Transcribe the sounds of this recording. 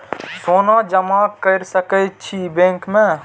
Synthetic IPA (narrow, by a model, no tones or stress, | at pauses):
soːnad͡ʒəmakəɾsəkət͡ʃʰibẽːŋkmẽ